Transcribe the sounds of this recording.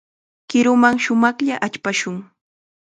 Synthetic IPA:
kɪɾʊmaŋʃʊmɑχʎaʔat͡ʃpaʃʊŋ

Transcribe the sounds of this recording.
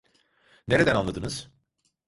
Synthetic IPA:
neɾe̞d̪ænanlˠad̪ɯnɯz̥

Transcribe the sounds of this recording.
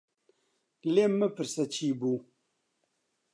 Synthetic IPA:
lemːəpɨɾsət͡ʃibu

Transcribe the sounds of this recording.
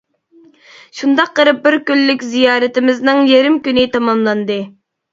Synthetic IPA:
ʃund̪ɑqqːəɾɨp̚bɪɾkʲylːykʲzijɑːɾɨt̪ɪmɪznɨŋjeɾɪmkʲynɪt̪ʰɑmɑmlˠɑnd̪ɨ

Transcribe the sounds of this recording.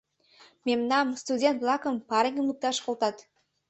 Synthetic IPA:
mʲemnɑmst̪udʲent̪̚blˠɑkompɑɾɪɡʲɪmuk̚t̪ɑʃqolˠt̪ɑt̪

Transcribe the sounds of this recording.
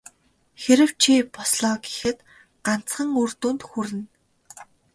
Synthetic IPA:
xeɾɘ̆w̥t͡ɕʰipɔsɮɔːɡi̥xɘ̆t̪ | ɢan̥t͡sχə̆ŋɵr̥t̪uːnt̪xuɾɘ̆n

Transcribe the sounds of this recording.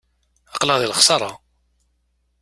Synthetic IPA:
ɑqləʁðiləχsˤɑɾˤɑ

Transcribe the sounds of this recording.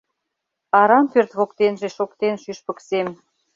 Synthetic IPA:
ɑɾɑmpørt̪βokt̪enʒeʃokt̪enʃyʃpə̆ksem

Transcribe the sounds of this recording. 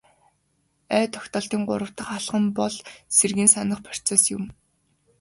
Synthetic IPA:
œːt̪ʰɔxʲt̪ɔːɬt̪iːŋɢʊ̰ɾə̆w̥t̪ə̆χaɮʁə̆mpɔɮserɣĭːnsanə̆χpʰɔ̥r̥t͡sesjʊm

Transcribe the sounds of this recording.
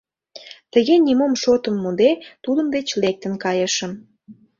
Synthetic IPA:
t̪əɣenʲimomʃot̪əmːud̪et̪ud̪əmd̪et͡ɕlek̚t̪ə̆nkɑjəʃəm

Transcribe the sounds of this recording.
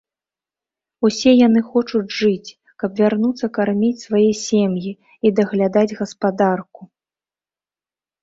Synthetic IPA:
usʲɛjanɨxɔt͡ʂud͡zʲʐɨt͡sʲ | kɐbvʲarnut̪sːɐkarmʲit͡sʲsvajɛsʲɛmji | id̪ɐɣlʲad̪ad͡zʲɣɐspad̪arku̥

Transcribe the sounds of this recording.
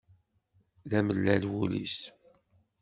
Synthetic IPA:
ðæməlːælwulḭs

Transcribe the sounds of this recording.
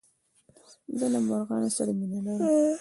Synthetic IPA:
d̪əlamaɾɣɑnosaɾaminalaw

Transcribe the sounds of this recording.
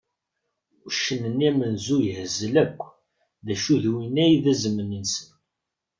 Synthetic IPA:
ʃənənæmənzujəhəzːəlækʷː | ðæʃuðwinæjðæzəmːənənsən

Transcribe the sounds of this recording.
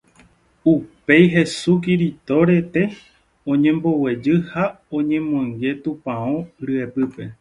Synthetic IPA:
upe̞jɦe̞suk̬iɾit̪o̞ɾe̞t̪e̞ | õɲẽmbo̞we̞d͡ʒɨha | õ̞ɲẽ̞mõŋɡe̞t̪ũpãõɾɨepɨpe̞

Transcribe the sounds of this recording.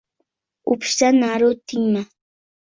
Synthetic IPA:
ʊpsanaɾʊt̪ɪŋma

